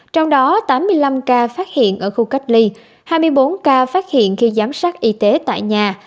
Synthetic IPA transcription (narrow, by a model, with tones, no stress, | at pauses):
t͡ɕɔ˧wŋ͡mɗɔ˨˦t̪aː˨˦mːɨ˧əjla˧mkaː˧faː˦˥t̚hḭ˧˨ənʔəː˧˩xu˧ka˦˥k̟̚li˧ | haː˧jmɨ˧əjɓo˨˦nkaː˧faː˦˥t̚hḭ˧˨ənxi˧zaː˨˦msaː˦˥t̚ʔi˧t̪e˨˦t̪a̰ː˧˨jɲaː˨˩